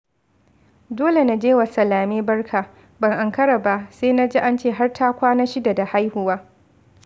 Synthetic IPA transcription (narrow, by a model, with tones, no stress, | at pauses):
doː˦le˨na˨d͡ʒeː˦wa˨sɐ˨laː˨meː˦bɐ˦rkʰaː˨ | bɐ˨ŋʔa˨ŋkɐ˦ɽa˨ba˦seː˦na˦d͡ʒeː˦ʔa˦nt͡ʃeː˦˨ɦa˦rtʰaː˦kʷaː˦na˦ʃɪ˦da˨da˨ha˦jhʊ˨waː˦